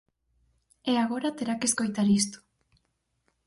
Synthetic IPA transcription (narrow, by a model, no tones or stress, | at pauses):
eaɣoɾat̪eɾakesko̞jt̪aɾist̪u̥